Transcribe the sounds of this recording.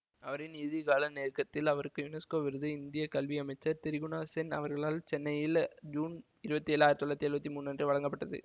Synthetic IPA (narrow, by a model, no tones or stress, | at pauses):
ɐʋɐɾɪniːðiɣaːlɐneːrkɐt̪ːɪlɐʋɐɾɯkːɯjʊnɛskoːʋɪɾɯðɯɪnd̪ɪjɐkɐlʋiɐmɐɪt͡ʃːɐɾt̪ɪɾɪɣɯɳaːsɛnɐ̰ʋɐɾɣɐɭaːlt͡ʃɛnːɐjɪld͡ʒuːn | ɪɾɯbɐt̪ːieːlːaːjɾɐt̪ːɔlːɐt̪ːiɛɾɯbɐt̪ːimuːnːɐndrɯʋɐɭɐŋɡɐpːɐʈːɐðɯ̰